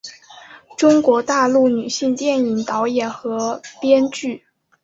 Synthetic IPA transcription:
ʈ͡ʂʊ˥ŋkwɔ˧˥t̪a˥˧lu˥˩ny˨˩ɕi˥˧ŋt̪jɛ˥˩ni˨˩ŋt̪ɑ˧˥ʊjɛ˨˩nxɤ˧˥pjɛ˥nt͡ɕy˥˩

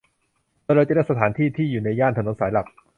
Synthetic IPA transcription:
ɔ˧ɾaː˧jt͡ɕa˨˩ɾa˥˩sa˧t̪ʰaː˩˦nt̪ʰiː˥˩t̪ʰiː˥˩juː˨˩na˧jaː˥˩nt̪ʰno˩˦nsaː˩˦jla˨˩p̚

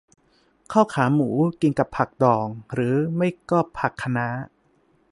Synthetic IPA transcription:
kʰaː˥˩wkʰaː˩˦muː˩˦ki˧nka˨˩pʰa˨˩k̚dɔː˨˩ŋɾɯː˩˦ma˥˩jkɔː˥˩pʰːa˨˩kʰːa˧na˦˥

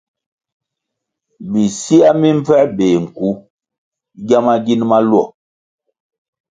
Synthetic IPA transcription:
bi˨si˦a˦mi˦m˦fɛ˦beː˨ŋ̩˨ku˨˦ | ɡja˦ma˦ɡi˦nma˦lwɔ˦˨

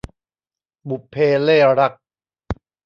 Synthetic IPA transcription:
bu˨˩pʰːeː˧leː˥˩ɾa˦˥k̚

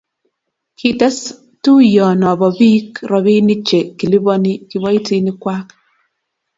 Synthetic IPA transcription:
ki˦tɛ˦s | tu˦jɔ˨nɔ˨bɔ˨bi˦kɾɔ˨βi˦ni˦t͡ʃe˨ki˨li˦bɔ˦ni˦ki˨βɔ˦i˦ti˦ni˦kwa˦k

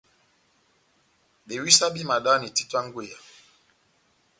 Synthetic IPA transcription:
ɓe˨wi˦sa˦ɓi˦ma˨ɗa˦ni˨ti˦twa˦ŋ˦ɡwe˦˨ja˨

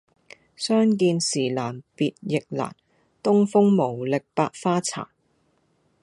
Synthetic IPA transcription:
sœː˥ŋk̬iː˧nsiː˨˩laː˨˩npiː˨t̚jɪ˨k̚la̰ː˨˩n | t̪ʊ˥ŋfʊ˥ŋmo˨˩wlɪ˨k̚paː˧k̚faː˥t͡sʰa̰ː˨˩

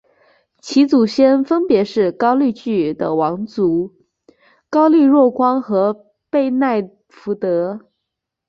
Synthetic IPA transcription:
t͡ɕʰi˧˥t͡su˨˩ɕjɛ˥nfə˥npjɛ˧˥ʂɻ̩˥˩kɑ˥ʊly˥˧t͡ɕy˥˩d̪ə̰˩wɑ˧˥ŋt͡su˧˥ | kɑ˥ʊli˥˧ɻwɔ˥˩kwɑ˥ŋxɤ˧˥ | pe˥˧ɪna˥˩ɪ | fu˧˥t̪ɤ˧˥

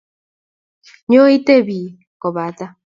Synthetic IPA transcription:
ɲo˦i˦te˦bi˨ | kɔ˨βa˨t̪a˦

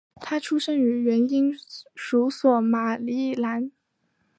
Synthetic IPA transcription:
t̪ʰa˥ʈ͡ʂʰu˥ʂə˥ŋy˧˥ɥɛ˧˥ni˥ŋʂu˧˥swɔ˨˩ma˨˩li˧˥˩la˧˥n

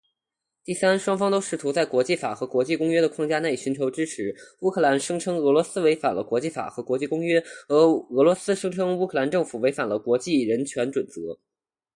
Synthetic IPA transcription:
t̪i˥˩sa˥nʂwɑ˥ŋfɑ˥ŋt̪o˥ʊʂɻ̩˥˩t̪ʰu˧˥t͡sa˥˩ɪkwɔ˧˥t͡ɕi˥˩fa̰˨˩xɤ˧˥kwɔ˧˥t͡ɕi˥˩kʊ˥ŋɥɛ˥d̪ə˨kʰwɑ˥˧ŋt͡ɕja˥na˥˩i˥˩ɕy˧˥nt͡ɕʰo˧˥ʊʈ͡ʂɻ̩˥ʈ͡ʂʰɻ̩˧˥u˥kʰɤ˥˩la˧˥nʂɤ˥ŋʈ͡ʂʰɤ˥ŋɤ˧˥lwɔ˧˥sɹ̩˥we˧˥ɪfa̰˨˩nlə˦kwɔ˧˥t͡ɕi˥˩fa̰˨˩xɤ˧˥kwɔ˧˥t͡ɕi˥˩kʊ˥ŋɥɛ˥xɤ˧˥ɤ˧˥lwɔ˧˥sɹ̩˥ʂɤ˥ŋʈ͡ʂʰɤ˥ŋu˥kʰɤ˥˩la˧˥nʈ͡ʂɤ˥˩ŋfu˨˩we˧˥ɪfa˨˩nlə˦kwɔ˧˥t͡ɕi˥˩ɻə˧˥nt͡ɕʰɥɛ˧˥nʈ͡ʂwə˨˩nt͡sɤ̰˧˥

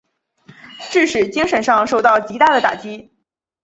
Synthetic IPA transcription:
ʈ͡ʂɻ̩˥˩ʂɻ̩˨˩t͡ɕi˥ŋʂə˧˥nʂɑ˥˧ŋʂo˥˧ʊt̪ɑ˥˩ʊt͡ɕi˧˥t̪a˥˩d̪ə˩t̪a̰˨˩t͡ɕi˥

